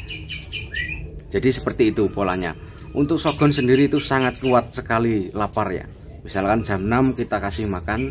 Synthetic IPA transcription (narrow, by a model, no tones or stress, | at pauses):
d͡ʒ̥ad̥isəpərt̪iːt̪upola̰ɲa̰ | ʔunt̪ʊk̚soɡ̥ɔ̤nsəndiɾiːt̪usaŋat̪̚kuat̪̚səkalilaparja̰ | misalkand͡ʒ̥a̤mnamkit̪akasɪhmakan